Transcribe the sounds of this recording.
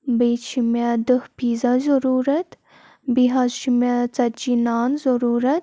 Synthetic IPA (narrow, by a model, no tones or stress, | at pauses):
beːt͡ʃʰimʲjad̪əhpiːzazɐɾuːɾɐt̪ | biɦazʃimat͡sɐd͡ʒinaːnzɐɾuːɾɐt̪